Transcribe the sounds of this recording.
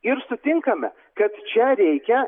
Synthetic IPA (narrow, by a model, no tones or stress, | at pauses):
ɪɾsʊt̪ʲɪŋkɐmʲɛ̰ | kɐt̪t͡ʃʲɛɾʲɛɪkʲɛ